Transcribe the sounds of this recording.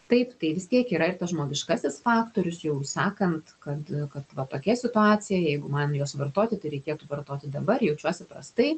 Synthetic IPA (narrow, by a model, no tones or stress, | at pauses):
t̪ɐɪpt̪ɐɪʋʲɪst̪ʲiɛkiːɾɐɪrt̪ɐsʒmoːɡʲɪʃkɑsʲɪsfɑːkt̪oːɾʲʊsjɛʊsɑːkɐnt̪kɐt̪kɐt̪ʋɐt̪oːkʲɛsʲɪt̪ʊɑːt͡s̪ʲɪjɛjɛɪɡʊmɐnjoːsʋɐrt̪oːt̪ʲɪt̪ɐɪɾʲɛɪkʲiɛt̪uʋɐrt̪oːt̪ʲɪd̪ɐbɐrjɛʊt͡ʃʲuɔsʲɛpɾɐ̰st̪ɐɪ